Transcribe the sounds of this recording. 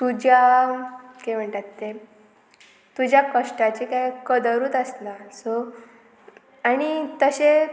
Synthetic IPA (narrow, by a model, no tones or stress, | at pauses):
t̪ud͡ʑa | kem̤əɳʈat̪ːe | t̪ud͡ʑjakəʂʈat͡ɕekaikəd̪əɾuːt̪əsnaso | aɽ̃it̪əɕe